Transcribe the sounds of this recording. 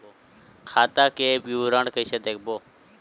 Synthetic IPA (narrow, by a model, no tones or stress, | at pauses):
kʰaːt̪aːkeːpjuːɾãːɳɖkəised̪eːk̚ʰboː